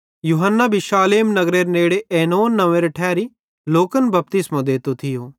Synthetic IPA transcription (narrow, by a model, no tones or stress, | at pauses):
juːɦənːabʱiʃaːleːmnɐɡɾeːɾneːɽeʔeːnoːnːɐʋẽɾeʈʰɛːɾi | loːkənbɐp̚t̪ɪsmãd̪eːt̪ot̪ʰɪjoː